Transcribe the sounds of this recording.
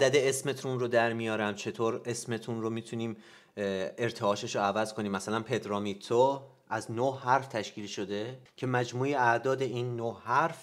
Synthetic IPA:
ʔæd̪æd̪eesme̞t̪ʰunrod̪æɾmijɒːɾæmt͡ʃʰe̞t̪ʰoːɾe̞sme̞t̪ʰunromiːt̪ʰuniːm | e̞ɾt̪ʰeɒːʃeʃoævæzkʰoniːmːæsælænpʰe̞d̪ɾɒːmit̪ʰo | ʔæznohæɾft̪ʰæʃciːlʃo̞d̪e̞cʰe̞mæd͡ʒmuːjeæʔd̪ɒːd̪e̞ʔiːnːohæɾf

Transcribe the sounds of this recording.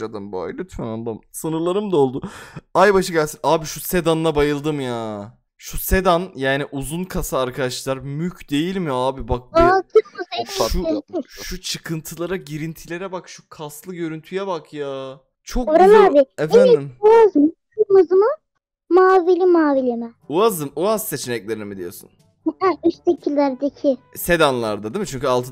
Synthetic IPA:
ad̪ɯmba̰jlut̪fɛnand̪amsɯnɯɾlˠaɾɯmd̪ao̞lˠd̪uajbaʃɯɟælʲsinaːbiʃuse̞d̪anːˠabajɯlˠd̪ɯmjaː | ʃuse̞d̪anjaːniʔuzunkʰasaːɾkʰad̪aʃlˠaɾmycʰd̪e̞jilʲmijaaːbibak̚bakʰɯmuzeʃueʃut͡ʃʰɯkʰɯnt̪ʰɯlˠaɾaɟiɾint̪ʰilʲe̞ɾɛbakʃu̥kʰaslˠɯɟø̞ɾynt̪ʰyjɛbakʰjaː | t͡ʃʰo̞koɾaaːbɪɛfbænid̪imuazmkʰɯmuzmɯ | maːvilʲimaːvilʲimɛ | uazɯmuazse̞t͡ʃʰenɛclʲeɾinimid̪ijo̞sṵn | ayʃsecʰilʲːæɾd̪ecʰɪ | se̞d̪anlˠa̰ɾd̪ad̪imit͡ʃʰyɲʲcyalˠt̪ʰɯ

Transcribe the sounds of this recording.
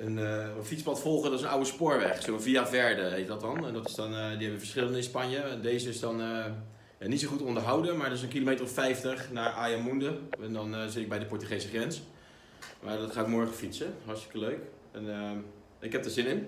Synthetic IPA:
ənəəfitspɑtfɔlˠχəndɪsənawəspʊːɹʋɛχsoviavɛɹdəɦeɪtdɔtɔnɛndɔtɪ̥sdɔndiɦɛbəʋəfəɹsχɪlˠəndəɪ̃nspanjəɛndeːzəɪsdɔnə | janitsoχutɔndəɹɦawdənmaːɹdɔɪs̬ənkilomejtərɔfɛjftəχnaːɹʔaːjamundəɛndɔnzɪtɪɡ̚bɛjdəpɔɹtyχejsəχrɛns | maːdɔtχaːtmɔɹχəfitsəɦɑɹstɪ̥kəløɥk | ɛnə | ʔɪkɦɛp̚daɹzɪnɪn

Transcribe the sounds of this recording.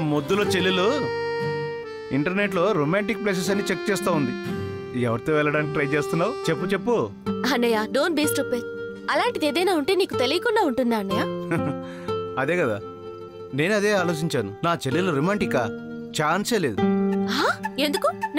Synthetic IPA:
mod̪ːuloːt͡ʃelːilu | iɳʈɐɾne̞ʈlo̞ːɾomaːɳʈik̚pleːs̬es̬ɐniːt͡ʃek̚t͡ʃeːst̪aːund̪i | ɛʋɐɾit̪oːʋɛlɭːɐɽaːnik̬iʈɾɐjt͡ʃeːst̪unːaːut͡ʃe̞pːut͡ʃe̞pːu | anːɐjaːɖoːnbiːsʈupːeː | ɐlaːɳʈid̪eːd̪ɐjnaːuɳʈe̞ːniːkut̪elijɐkunɖaːuɳʈund̪aːɳːɐjaː | ɐd̪e̞ːkɐd̪a̰ː | ne̞ːnuɐd̪e̞ːaːloːt͡ʃiɲt͡ʃaːnunaːt͡ʃeliluɾomaːɳʈikːa | t͡ʃaːnseːleːd̪uɦaːe̞nd̪ukun

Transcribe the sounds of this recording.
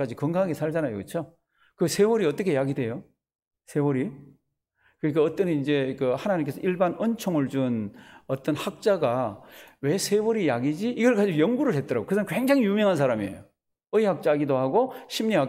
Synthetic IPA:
ad͡ʑikʌŋɡaɦaɡesʰaɭd͡ʑanajo̰kɯt͡ɕʰo | kɯsʰe̞wʌɾiʌt͈ʌkʰe̞jaɡidwe̞jo | sʰe̞wʌɾi | kɯɾik͈aʌt͈ʌnind͡ʑe̞kɯhanaɲimk̬͈e̞sʰʌʔiɭbanʌnt͡ɕʰoŋɯɭd͡ʑunʌt͈ʌnhak̚t͡ɕ͈aɡawe̞sʰe̞wʌɾijaɡid͡ʑiːɡʌɭk͈ad͡ʑiojʌŋɡuɾɯɭɦe̞t̚t͈ʌɾaɡokɯsʰʌnkweŋd͡ʑaŋijumjʌŋɦans̬ʰaɾamiḛjo | ɯihak̚t͡ɕ͈aɡidohaɡoɕʰimɲiɦak

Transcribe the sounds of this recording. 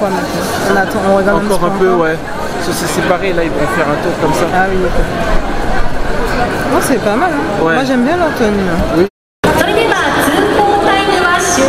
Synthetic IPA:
wamɛ̃t̪ɔ̃ | ɔ̃nat̪ɑ̃ɔ̃ʁəɡaʁd̪̃kɔʁɛ̃pøwɛ | sɔsɛsepaʁelailvɔ̃fɛʁɛ̃t̪uʁkɔmsaawid̪akɔ | dɔ̃sɛpamalɛ̃wɛmwaʒɛmbjɛ̃lɔʁt̪ənyɛ̃wi | sanikipat̪ikɔ̃tainovasɔ̃

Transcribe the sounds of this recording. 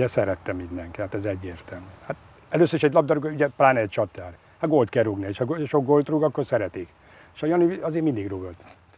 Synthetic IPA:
ɛsɛɾɛt̪ːɛmːind̪ɛŋkiat̪ɛzɛɟːeːrt̪ɛlmyːhat̪ | ɛløːsøɾiʃɛɟlɒb̚d̪ɒɾoɡouɟɛplaːnɛɛc̚ʲt͡ʃɒt̪ːaːr | hat̪ɡo̞lt̪kɛruɡnieːʃɒɡʃoɡɡolt̪ruɡɒkːo̞rsɛɾɛt̪ik | eʃɒjɒnyɒzeːmind̪iɡruɡolt̪t̪

